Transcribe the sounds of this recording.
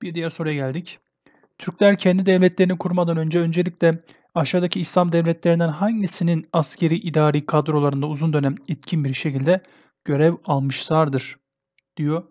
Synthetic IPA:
b̥iɾd̪ijæɾso̞ɾujaɟælʲd̪ic | t̪ʰyɾclʲæɾcʰɛnd̪id̪ɛvlʲɛt̪lʲe̞ɾinikʰuɾmad̪anø̞nd͡ʒɛø̞nd͡ʒe̞lʲiclʲɛ | aʃaːd̪acʰiːslʲˠamd̪ɛvlʲɛt̪lʲeɾind̪ænɦaɲɟisininascʰe̞ɾiːʔid̪aːɾiːkʰad̪ɾo̞lˠaɾɯnd̪auzund̪ø̞næmɛt̪cʰinbiɾʃecilʲd̪ɛ | ɟ̥ø̞ɾɛvalˠmɯʃlˠaɾd̪ɯɾ̥ | d̪̥ijo̞

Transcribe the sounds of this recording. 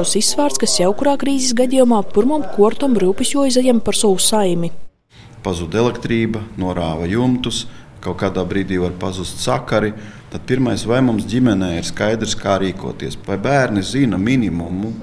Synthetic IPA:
wsisːvaːɾt̪skasjawkuɾaːkɾiːzis̬ɡad̪ʲijumaːpuɾmɔmkuɔɾt̪ɔmɾuːpisʲjuɔizajampaɾsɔwusajmʲi | pazud̪ɛlˠɛkt̪ɾiːbɐnuɔɾaːʋajumt̪us | kawkaːd̪aːbɾiːd̪iːvaɾpazust̪ʲsakaɾit̪ad̪̚pʲiɾmajsvajmumsdʲimʲɛnɛjiɾskajd̪ɾskaːɾiːkṵɔt̪iɛsvajbæːɾnizinamʲinʲimumu

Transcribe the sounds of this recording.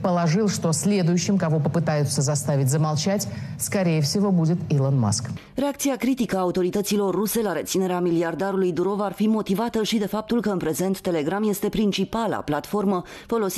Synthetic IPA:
pəlˠɐʐɨlˠʂt̪o̞sʲlʲe̞d̪ʊjʊʃɕːɪmkavo̞pəpɨt̪ajʊt̪səzast̪avʲɪtʲzəmalˠt͡ʃatʲskaɾʲejəfsʲivo̞budʲɪt̪ilˠonma̰sk | re̞akt̪siakɾit̪ikəaːut̪o̞ɾit̪ət̪silo̞rːuse̞laɾet̪sine̞ɾeamʲiliard̪aɾulujd̪uɾo̞varfimo̞t̪ivat̪əʃid̪e̞fap̚t̪ulkəɨnpɾe̞ze̞nt̪ːe̞le̞ɡɾamje̞st̪e̞pɾint͡ʃipala̰plat̪fo̞rmə | fo̞lo̞s

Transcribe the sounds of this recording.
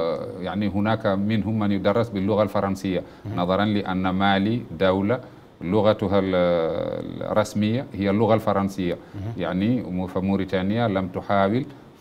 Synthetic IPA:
jaʕniɦunaːkaminɦumːanjud̪ɑrˤːɑsbilːʊɣalfɑɾˤɑnsijːa | nɑðˤɑɾˤɑnliʔanːamaːlid̪awla | lʊɣat̪ɦa̰ | rˤːɑsmɪjːahijːalːʊɣalfɑɾˤɑnsijːajaʕnifamuɾit̪aːnɪjːalamt̪ʊħaːwɪl

